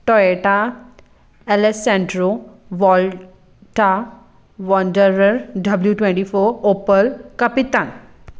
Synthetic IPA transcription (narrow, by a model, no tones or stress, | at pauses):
ʈɔeʈa | elesɛ̃ɳɖɾo | ʋɔl | ʈa | ʋɔɳɖəɾəɾɖɐbljuʈwẽɳʈifoɾopəlkɐpit̪aːn